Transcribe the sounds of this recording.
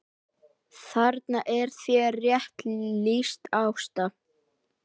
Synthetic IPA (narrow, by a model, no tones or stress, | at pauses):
θaɾt̪naʔɛɾ̥θvjɛrjɛht̪list̪awst̪a